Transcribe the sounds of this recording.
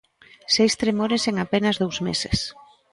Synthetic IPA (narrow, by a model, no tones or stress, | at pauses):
sejst̪ɾemoɾeseŋapenɐzðowzmḛsḛs